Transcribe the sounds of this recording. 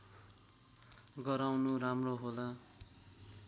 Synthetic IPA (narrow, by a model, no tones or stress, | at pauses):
ɡʌɾawnuramroɦola